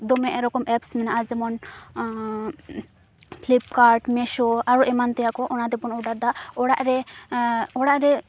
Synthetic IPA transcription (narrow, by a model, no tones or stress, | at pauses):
d̪ɔmɛʔɾɔkɔmɛpsmɛnaad͡ʒɛmɔn | pʰlip̚kaɾʈmɛʃɔaɾɔʔɛmant̪ɛjakɔʔɔnad̪ɛpɔnɔɖad̪aɔɽaʔɾɛ | ɔɽaʔɾɛ